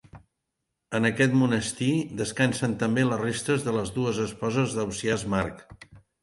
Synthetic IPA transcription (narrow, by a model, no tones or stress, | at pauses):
ənəkɛt̪munəst̪id̪əskansənt̪əmbelərest̪əzðələzðuəzəspɔzəzðəwsiazmaɾk